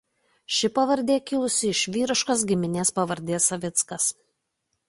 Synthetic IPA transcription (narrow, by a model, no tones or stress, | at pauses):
ʃʲɪpɐʋɐɾʲd̪ʲeːkʲɪlˠʊsʲɪɪʃʲʋʲiːɾɪʃkos̬ɡʲɪmʲɪnʲeːspɐʋɐɾʲd̪ʲeːsɐʋʲɪt̪skɐs